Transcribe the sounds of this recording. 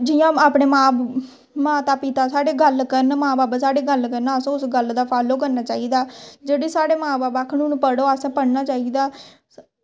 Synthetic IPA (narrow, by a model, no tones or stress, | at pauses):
d͡ʒɪjãːaːpɳeːmãː | mãːt̪aːpɪt̪aːsaːɽeːɡəlkəɾnmãːbaːbaːsaːɽeːɡəlkəɾnaːəsõːʊsɡəld̪aːpʰaːloːkəɾnaːt͡ʃaːiːd̪aːd͡ʒeːɽiːsaːɽeːmãːbaːbaːkʰnũːnpəɽoːəsãːpəɽnaːt͡ʃaːiːd̪aː